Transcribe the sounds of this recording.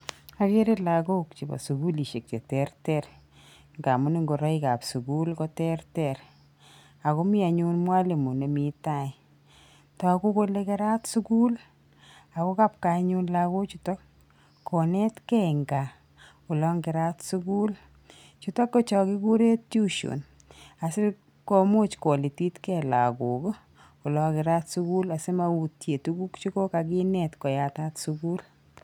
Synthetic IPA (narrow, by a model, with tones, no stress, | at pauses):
a˦ke˦ɾe˦la˨ko˦kt͡ʃi˨ba̰˨su˨ku˦li˨ʃe˨k̚t͡ʃɔ˨tɛrtɛr | ŋɡa˨mʊ˦ni˦ŋɡo˨ɾɔ˦ika̰˨psu˨ku˦lkɔ˦tɛ˦rtɛr | a˨ko˦mi˦a˨ɲu˦nmwa˦le˨mu˨ne˨mita˦i | tɔ˨ko˦ko˦lekɛ˦ɾa˦tsu˦ku˦l | a˨ko˦ka˦p̚ka˨ɲu˦nlako˦t͡ʃu˨tɔ˦kː | ɔ˨nɛ˦tkɛŋɡa˨ | kʊ˨lɔ˦ŋɡɪ˨ɾa˦tsu˦ɡu˦l | t͡ʃu˨tɔ˦kːo˦t͡ʃɔ˨kɪ˦ku˦ɾe˦tt͡ʃu˦ʃo̰˨n | a˨sɪ˦ | ko˦mo˦t͡ʃko˨li˨ti˦tkɛ˨la̰˨ɡu˨ɡo˦ | ʊ˨lɔ˨kɪ˨ɾa˦tsu˦ku˦la˨se˦ma˨u˨tje˨tu˦ɡu˦kt͡ʃu˦ko˦ka˨ɡi˦nɛ˨tkɔ˨ja˨ta˦tsuku˦l